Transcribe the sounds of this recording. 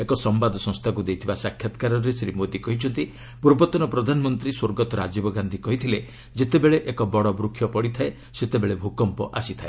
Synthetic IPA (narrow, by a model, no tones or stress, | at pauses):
ekɔsɔmbad̪ʱɔsɔ̃st̪ʰakud̪ejt̪ʰibasakʰjat̪kaɾɔɾesɾimod̪ikɔɦit͡ʃʰɔnt̪i | puɾbɔt̪ɔnɔpɾɔd̪ʱanɔmɔnt̪ɾiswoɾɡɔt̪ɔɾad͡ʒibɔɡand̪ʱikɔɦit̪ʰile | d͡ʒet̪ebeɭeʔekɔbɔɽɔbɾukʰːjɔpɔɽit̪ʰae | set̪ebeɭebʱukɔmpɔ̰ʔasit̪ʰaḛ